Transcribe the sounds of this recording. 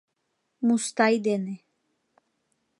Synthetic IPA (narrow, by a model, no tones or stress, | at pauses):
must̪ajd̪ɛnɛ